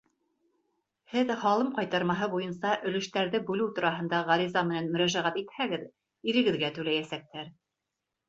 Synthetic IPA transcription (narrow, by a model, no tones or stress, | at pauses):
hɘðχɑlˠɤmqɑjt̪ɑɾmɑɦɤbujɤnsɑʔɵ̆lɵ̆ʃt̪æɾðɘbʉlɘwt̪ŏɾɑɦɤ̆nd̪ɑʁɑɾizɑmɘ̆nænmɵ̆ɾæʒæʁæt̪it̪hæɡɘð | iɾɘ̆ɡɘ̆ðɡæt̪ʉlæjæsæk̚t̪ʰæɾ